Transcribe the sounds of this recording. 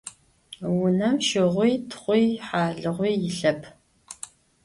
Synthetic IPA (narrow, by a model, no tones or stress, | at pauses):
wʊnɐmʃɪʁʷijtʰχʷijħaːɮɨʁʷiːjɪɬɐpʰ